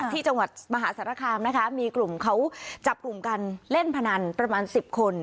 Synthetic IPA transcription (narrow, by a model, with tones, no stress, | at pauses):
iː˥˩t͡ɕa˧ŋwa˨˩t̪̚ma˧ɦaː˩˦˥saː˨˩˦ɾaː˧˩kʰaː˧mna˦˥kʰa˦˥miː˧klu˨˩mkʰa˦˥wt͡ɕa˨˩p̚klu˨˩mka˧nle˥˩npʰa˧na˧npɾa˧maː˧nsi˨˩p̚kʰo˧n